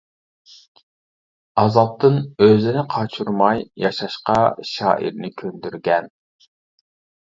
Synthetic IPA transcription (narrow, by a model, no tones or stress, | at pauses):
ɑzɑp̚t̪ʰɨnøzɪnɪqʰɑt͡ʃʰuɾmɑjjɑʃɑʃqɑʃɑ̰ːʔḭɾnɪkʲʰønd̪yɾɡʲɛn